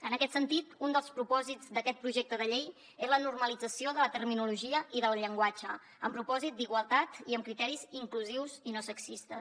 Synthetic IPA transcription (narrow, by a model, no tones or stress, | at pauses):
ənəkɛt̪sənt̪it̪und̪əlˠspɾupɔzid͡zd̪əkɛt̪̚pɾuʒek̚t̪əðəʎej | ezlənurməlid͡zəsioðət̪ərminuluʒiəʔiðəlˠʎəŋɡwad͡ʒə | əmpɾupɔzit̪̚d̪iɣwəlˠt̪at̪iəmkɾit̪ɛɾiziŋkluziwzinosəksist̪əs